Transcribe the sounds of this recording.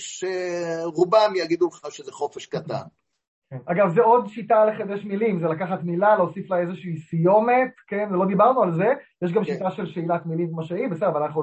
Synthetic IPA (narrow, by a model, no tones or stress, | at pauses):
ʃeʁubamjaɡid̪ubiχnavʃezeχo̞feʃkat̪a̰n | aɡavzeo̞d̪ʃitaleχed̪eʃmilimzelakaχat̪milaleosiflaezeʃiisijo̞me̞tkenvelo̞d̪ibaʁnualze̞jeʃ̬ɡamʃitaʃelʃeilat̪milimkmaʃeaimbesedvalanaχu